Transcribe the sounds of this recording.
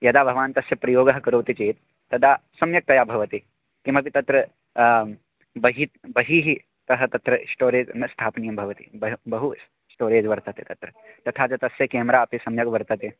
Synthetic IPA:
jɐd̪aːbʱɐʋaːnt̪ɐsjɐpɾɐjoːɡɐɦɐkɐɾoːt̪it͡ʃeːt̪ː | ɐd̪aːsɐmjɐk̚t̪ɐjaːbʱɐʋɐt̪i | kimɐpit̪ɐt̪ɾɐ | bɐɦit̪̚bɐɦiːɦi | t̪ɐɦɐt̪ɐt̪ɾɐsʈoːɾeːd͡ʒmɐst̪ʰaːpnijɐmbʱɐʋɐt̪ḭbɐbɐɦu | sʈoːɾeːd͡ʒʋɐɾt̪ɐt̪et̪ɐt̪ɾɐt̪ɐt̪ʰaːt͡ʃɐt̪ɐsjɐkeːmɾaːɐpisɐmjɐkʋɐɾt̪ɐt̪e

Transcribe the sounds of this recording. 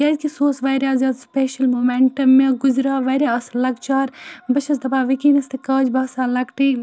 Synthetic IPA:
jɐd͡ʒʲkisoːsʋɐːɾʲaːzjaːd̪speːʃɐlmoːmeɳʈɐmːeɡʊzɾaːʋɐɾʲaɐslɐɡt͡ʃaːɾbɐʃʰɐs̬d̪ɐbaːʋikiːnɐst̪ʰikɐːd͡ʒbɐːsaːlɐkʈiː

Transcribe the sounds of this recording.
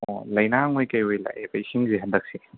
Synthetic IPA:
ɔlɐjnaŋojkɐjojla̰ʔebɐjsiŋzeɦɐdɐk̚si

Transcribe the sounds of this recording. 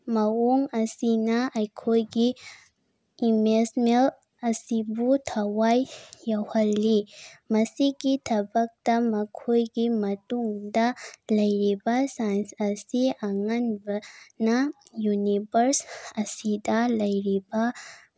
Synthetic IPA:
mɐwoŋɐsinɐʔɐjkʰojɡi | mesmel | ɐsibutʰɐwajːɐwhɐlːimɐsiɡit̪ʰɐbɐk̚dɐmɐkʰojɡimɐtuŋdɐlɐjɾibasajnsɐsiɐŋɐnbɐnɐjunibɐɾsɐsidɐlɐjɾibɐ

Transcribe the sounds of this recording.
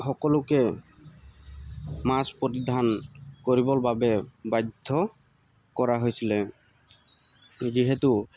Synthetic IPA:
xɔkɔlʊkɛ | maspɹotidʱankoɹibɔlbabɛbajd̪ʱɔ | kɔɹaɦojsilɛ | ziɦɛtu

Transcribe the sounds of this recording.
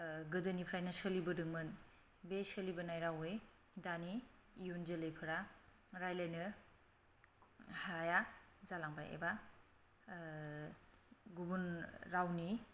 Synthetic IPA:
ɡɯdɯnipʰɾajnɯsəlibɯdɯŋmɯn | besəlibɯnajɾawɯj | daniːjunzɯlɯjpʰɯɾa | ɾajlajnɯ | hajazalaŋba̰jḛba | ɡubunɾawni

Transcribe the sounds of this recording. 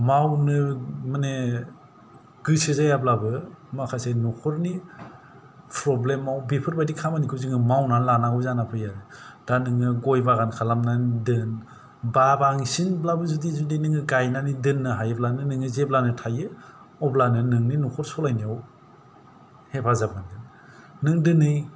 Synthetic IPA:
mawnɯmane | ɡ̥ɯsizajablabɯmakʰasenukʰɔɾni | pʰɾɔblemawbipʰɯɾbajdikʰamanikʰɯziŋɯmawnanlanaɡɔzanapʰɯjaɾd̥anɯŋɯɡɔjbaɣankʰalamnandɯn | babaŋsinblabɯzudizudinɯŋɯɡajnanidɯnːɯɦajɯblanɯnɯŋɯzeblanɯtʰajɯ | ɔblanɯnɯŋninukʰɔɾsɔlajniaw | hepʰazabanɡɯ | nɯŋdɯnɯj

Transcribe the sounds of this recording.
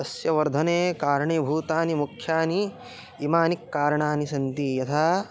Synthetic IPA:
ɐsjɐʋɐɾd̪ʱɐneːkaːɾɐɳeːbʱuːt̪aːnimukʰjaːni | imaːnikːaːɾɐɳaːnisɐnt̪ijɐt̪ʰaː

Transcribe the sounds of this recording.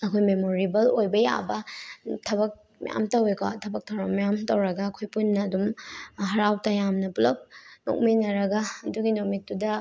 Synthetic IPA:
ɐkʰojmemoɾibɐlojbɐja̰bɐtʰɐbɐk̚ | mja̰mtɐwekʰa̰tʰɐbɐk̚tʰɐwɾɐmjamtɐwɾɐɡɐːkʰojpunːɐːdumɦɐɾawtɐjamnɐpulɐp̚no̰k̚minɐɾɐɡɐːduɡinok̚mik̚tudɐ

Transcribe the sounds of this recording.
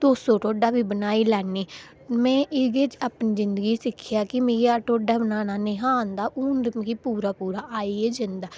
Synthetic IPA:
d̪̥oːsõːʈoːɖaːbiːbənaːiːlɛːniː | mɛ̃ːʔɪɡeːt͡ʃaːpniːzɪnd̪əɡiːsɪkʰːjaːkɪmeːɡiaːʈoːɖaːbənaːnaːnẽːɦaːnd̪aːʔuːndmkiːpuːɾaːpuːɾaːʔaːiːeːd͡ʒɪnd̪aː

